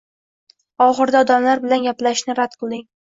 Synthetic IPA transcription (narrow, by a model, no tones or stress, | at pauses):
ɒχɨɾd̪aɒd̪amlaɾbɪlanɡʲaplaʃnɪɾat̪̚qʰɨlˠd̪ɪŋ